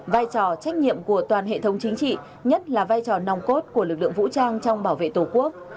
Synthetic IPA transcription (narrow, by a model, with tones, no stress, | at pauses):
vaː˧jt͡ɕɔ˨˩t͡ɕa˦˥jk̟̚ɲḭ˧˨əmku˧˩ət̪waː˨˩nɦḛ˧˨t̪ʰə˨˦wŋ͡mt͡ɕï˨˦ŋ̟t͡ɕḭ˧˨ | ɲə˦˥t̚laː˨˩vaː˧jt͡ɕɔ˨˩na˨˩wŋ͡mko˦˥t̚ku˧˩əlɨ˨˩k̚lɨ̰˧˨əŋvṵ˧˥t͡ɕaː˧ŋt͡ɕɔ˧wŋ͡mɓaː˧˩wvḛ˧˨t̪o˨˩ku˦˥ək̚